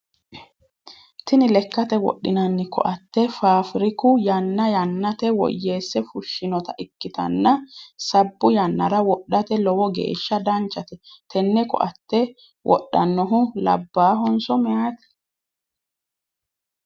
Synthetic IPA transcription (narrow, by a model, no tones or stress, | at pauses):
t̪ɪnɪlɛkːɐt̪ɛwɔ̰ɗːɪnɐnːɪkɔ̰ʔɐt̪ːɛfaːfɪɾɪkʊjɐnːɐjɐnːɐt̪ɛwɔ̰jːeːsːɛfʊʃːɪnɔt̪ɐʔɪkːɪt̪ɐ̰nːɐsɐbːʊjɐnːɐɾɐwɔɗːɐt̪ɛlɔwɔɡḛːʃːɐd̪ɐnt͡ʃːɐt̪ɛt̪ɛnːɛkɔ̰ʔɐt̪ːɛ | wʔɔ̰ɗːɐ̰nːɔɦʊlɐ̰bːaːɦɔnsɔmɛjat̪ɛ̥